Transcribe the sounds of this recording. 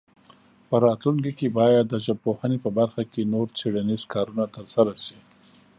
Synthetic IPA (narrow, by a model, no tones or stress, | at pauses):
pəɾɑt̪luŋkikebɑjad̪ːəʒəb̚pohanepəbaɾxakenoɾt͡seɽanizkɑɾunat̪əɾsaɾasi